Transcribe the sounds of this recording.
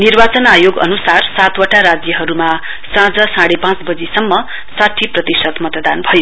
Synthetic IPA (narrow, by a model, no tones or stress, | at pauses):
nirbat͡sʌnajoɡʌ̰nusarsat̪wʌʈaɾad͡zjʌɦʌɾuma | sãd͡zʌsãɽepãt͡sbʌd͡zisʌmːʌ | saʈʰːiprʌt̪isʌt̪mʌt̪ʌd̪anbʱʌjo